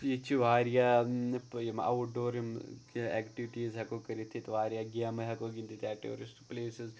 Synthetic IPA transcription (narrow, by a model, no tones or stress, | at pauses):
jit͡ʃʰːiʋaːɾjapjimɐ̰wuɖoːɾimkɛkʈiʋiʈiːzɦɐkokɐɾit̪ʰːit̪ʋaːɾijaɡiamɐɦɐkoːɡind̪it̪ʰaːʈeo̰ːɾisʈpleːsiz